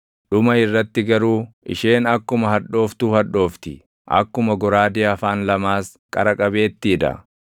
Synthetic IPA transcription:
ɗʊmɐɪrːɐt̪ːɪɡɐɾuːʔɪ̰ʃeːnɐkːʊmɐɦɐᶑo̞ːft̪uːhɐᶑːo̞ːft̪ɪ | ʔɐ̰kːʊmɐɡɔɾaːd̪ɪːɐfaːnlɐmaːs | kʼɐ̰ɾɐkʼɐbe̞ːt̪ːiːᶑ̪ɐ̰

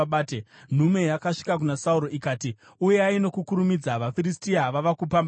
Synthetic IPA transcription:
aːten̤ume̞jakaʂi̥kak̬unasauɾo̞ʔikaːti | uje̞aino̞kukuɾumid͡zaʋafiɾistiaʋaʋakupamba

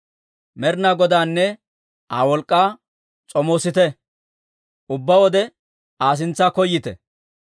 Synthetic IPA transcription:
mɛɾnaɡɔd̪aːnːɛ | ʔa̰ːwɔlkʼːaː | t͡sʼɔmoːsɪt̪ɛ | ʔʊbːawɔd̪ɛ | aːs̬ɪnt͡sːaːkɔjːɪt̪ɛ̰

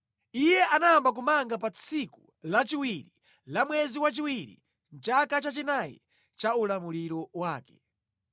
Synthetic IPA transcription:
ijɛʔanaːmbak̬umaŋɡapat͡sʰiku | lat͡ʃiwiɾi | lamwɛziwat͡ʃiwiɾḭ | n̩t͡ʃakat͡ʃat͡ʃinajɛ̰ | t͡ʃaulamuliɾɔwaːkɛ̥

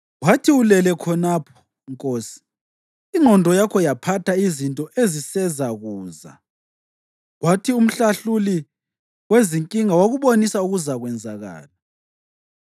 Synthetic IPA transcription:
ɣwatʰiulɛlɛkʰɔnaːpʰɔ̥ | ŋkʼoːsi̥ | iŋ͡ǃʱɔndʱɔjakʰɔjapʰatʰaizintʼɔʔezisɛzaɣuːza̰ | ɣwatʰium̩ɬaɬuli | weziŋkʼiŋawaɣuβonisauɣuzaɣwɛnd͡zʱaɣa̰ːla

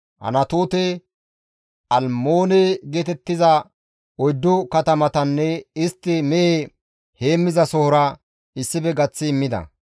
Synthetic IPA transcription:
hɐ̰nɐt̪oːt̪ɛ | ʔɐlmoːnɛɡeːt̪ɛt̪ːɪzɐ | ɔjd̪ːʊkɐt̪ɐmɐt̪ɐnːɛɪst̪ːɪmɛjeː | he̞ːmːɪzɐsɔhɔɾɐ | ɪsːɪbɛɡɐt͡sːɪːmːɪd̪ɐ̰

